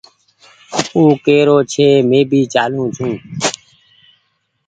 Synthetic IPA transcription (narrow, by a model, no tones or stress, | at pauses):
ũːkeːɾoːt͡ʃʰeːmẽːbʱiːt͡ʃaːlũːt͡ʃʰũː